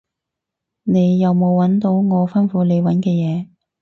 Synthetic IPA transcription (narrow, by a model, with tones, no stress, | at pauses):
ne˨˧jːɐ˨wmo˨˧wːɐ˨˥nt̪o˨˧˥wŋɔː˨˧fɐ˥nfuː˨˥le˨˧jwɐ˨˥nkɛː˧jɛː˨˧